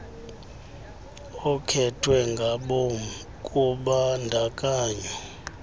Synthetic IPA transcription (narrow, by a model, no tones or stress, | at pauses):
ɔkʰɛtʰwɛŋɡʱaɓom | kʼuɓandʱakʼaːɲɔ